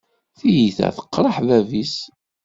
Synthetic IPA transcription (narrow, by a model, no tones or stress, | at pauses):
θijiθæ̰θə̥qːɾˤəħðævis